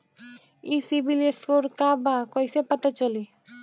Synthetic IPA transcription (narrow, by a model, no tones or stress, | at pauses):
isibileskoɾkabakɔjsepat̪at͡ʃɔli